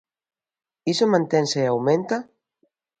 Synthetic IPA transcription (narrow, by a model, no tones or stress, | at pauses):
isemãnt̪ɛnseeawment̪a